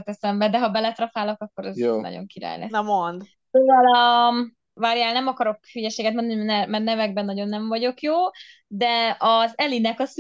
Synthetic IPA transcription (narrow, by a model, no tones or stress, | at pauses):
ɛt̪ɛsɛmbɛd̪ɛɦɒbɛlɛt̪rɒfaːlo̞kɒkːo̞ɾɛznɒ̰ɟo̰ŋkiɾa̰ːjlɛ̰nɛmond̪ | pelvalɒ | vaɾjaːlnɛmɒkɒɾo̞kfyjɛʃeːɡɛt̪mo̞nd̪ɒninɛmɛrnɛvɛɡ̚bɛnːɒɟo̞nːɛɱvɒɟo̞kjoː | d̪ɛɒzɛlinɛkɒs